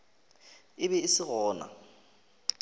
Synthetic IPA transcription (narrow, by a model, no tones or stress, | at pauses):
ɪβɛisɪɣɔːna̰